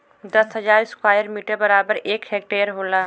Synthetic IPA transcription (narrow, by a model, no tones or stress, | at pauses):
d̪əsɦəd͡ʒaːɾɪskwaːjəɾmiːʈəɾbəɾaːbəɾeːkheːk̚ʈeːjəɾɦoːlaː